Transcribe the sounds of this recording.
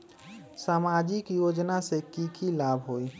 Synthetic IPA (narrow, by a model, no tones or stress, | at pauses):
samad͡ʒikjod͡ʒnasekikilabʱɦoj